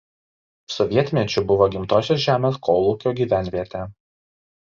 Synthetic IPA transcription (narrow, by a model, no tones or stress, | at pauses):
sɔʋʲiɛt̪ʲmʲɛt͡ʃʲʊbʊʋoːɡʲɪmt̪oːsʲɛsʒʲæːmʲeːskʰɔːlˠuːkʲoːɡʲiːʋʲæˑnʲʋʲiɛt̪ʲɛ